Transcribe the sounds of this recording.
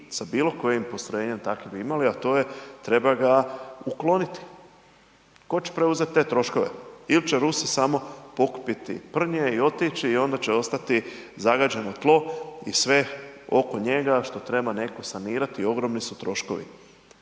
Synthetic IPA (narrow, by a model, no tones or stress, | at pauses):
sabiːlo̞ko̞jimpo̞st̪ɾoje̞ːɲe̞mt̪akibiimaliat̪o̞ːje̞t̪ɾe̞baɡauklo̞nit̪i̥ | ko̞t͡ʃe̥pɾe̞uze̞t̪̚t̪ːe̞ːt̪ɾo̞ʃko̞ʋe̞̰ilt͡ʃeɾusisamo̞po̞ku̥pit̪ḭpr̩ɲeio̞t̪it͡ʃiːo̞nd̪at͡ɕeo̞st̪at̪i | zaɡad͡ʒe̞not̪lˠo̞ḭsʋe̞o̞̰ko̞ɲe̞ɡaʃt̪o̞t̪ɾe̞bane̞ko̞saniːɾat̪io̞ɡɾo̞mnisut̪ɾo̞ʃko̞̰ʋḭ